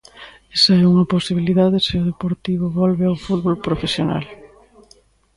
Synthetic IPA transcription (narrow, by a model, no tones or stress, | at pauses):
ɛsɐɛuŋɐposiβ̞iliðaðɪseʊð̞epoɾt̪iβ̞ʊβɔlβeawfuðβolpɾofesjona̰l